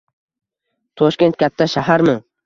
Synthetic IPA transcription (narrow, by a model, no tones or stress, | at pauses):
t̪ʰɒʃkʲe̞nt̪̚kʲʰat̪ʰːaʃaɦaɾmʊŋ